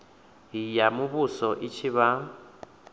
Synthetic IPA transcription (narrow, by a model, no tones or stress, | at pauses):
ɦijamʊβusɔʔit͡ʃʰiβa